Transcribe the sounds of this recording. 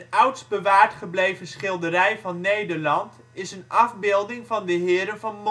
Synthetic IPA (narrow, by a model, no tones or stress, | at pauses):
ənœwtsbəʋaːɹtχəblejvəsχɪlˠdəɾɛjvɑnːejdəɹlɑnt | ɪsənɑvbɪːlˠdɪŋvɑndəɦɪːɾənvɑnm